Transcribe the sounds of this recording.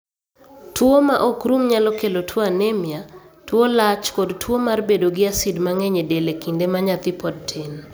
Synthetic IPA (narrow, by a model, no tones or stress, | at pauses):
twomaʔɔkɾumɲalɔkelotʰwoanemjatwolat͡ʃkɔdtʰwomarbedoɡɪasidmaŋɛɲedelekindemaɲat̪ɪpɔd̚tʰen